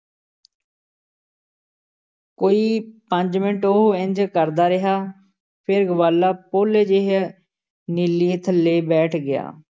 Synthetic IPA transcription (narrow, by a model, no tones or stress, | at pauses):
koːiːpəɲd͡ʒmɪɳʈoɦoɪɲd͡ʒkəɾd̪aːɾəɦaː | pʰɪɾɡəbaːlːaːpoːleːd͡ʒeːɦ | nilːiːt̪ʰleːbɛːʈʰɡɪja̰ː